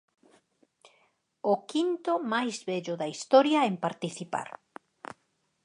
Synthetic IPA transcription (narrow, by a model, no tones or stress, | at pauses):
ʊkint̪ʊmajzβɛʎʊðɐist̪ɔɾjɐempaɾt̪iθipa̰ɾ